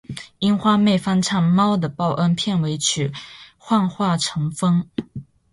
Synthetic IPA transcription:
i˥nxwa˥me˥˩ɪfa˥nʈ͡ʂʰa˥˩ŋmɑ˥ʊd̪ə˨pɑ˥˩ʊʔə˥npʰjɛ˥˩nwe˧˥ɪt͡ɕʰy˨˩xwa˥˧nxwa˥˩ʈ͡ʂʰɤ˧˥ŋfɤ˥ŋ

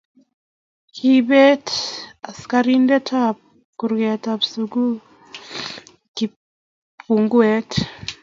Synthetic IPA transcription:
kʰibe˦ta˨skaɾi˦ndɛ˦tʰa˦p̚ | ku˨ɾɡɛ˨tapsuɡu˦ | ki˨ | pu˨ŋɡwe˦t

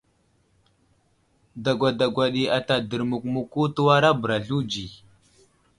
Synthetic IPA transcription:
da˨ɡʷa˨da˨ɡʷa˨ɗi˨a˨ta˨də˨ɾmu˨kmu˨ku˦tu˦wa˦ɾa˦bə˨ɾa˨ɮu˦d͡ʒi˨

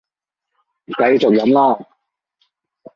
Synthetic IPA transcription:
kɐ˨˧jt͡sʊ˨k̚jɐ˨˥mlɔː˥˩

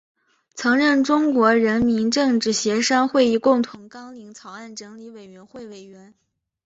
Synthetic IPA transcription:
t͡sʰɤ˧˥ŋɻə˥˩nʈ͡ʂʊ˥ŋkwɔ˧˥ɻə˧˥nmi˧˥nʈ͡ʂɤ˥˧ŋʈ͡ʂɻ̩˥˩ɕjɛ˧˥ʂa˥nxwe˥˧ɪi˥˧kʊ˥˩ŋt̪ʰʊ˧˥ŋkɑ˥ŋli˧˥ŋt͡sʰɑ˨˧˥ʊa˥˩nʈ͡ʂɤ˧˥ŋli˧˥we˨˩ɪɥɛ˧˥nxwe˥˩ɪwe˨˩ɪɥɛ˧˥n

